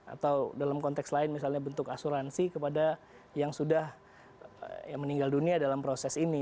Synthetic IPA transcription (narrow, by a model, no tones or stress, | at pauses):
a̰t̪awdalamkɔnt̪ɛkslaɪnmisalɲabənt̪ʊkasuɾansikəpada | jaŋsudah | jaməniŋɡalduniadalampɾosɛsini